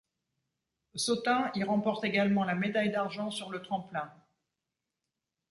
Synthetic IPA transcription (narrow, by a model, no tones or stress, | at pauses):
sɔt̪ɛ̃iʁɑ̃pɔʁt̪eɡalmɑ̃lamed̪ajd̪aʁʒɑ̃syʁlət̪χɑ̃plɛ̃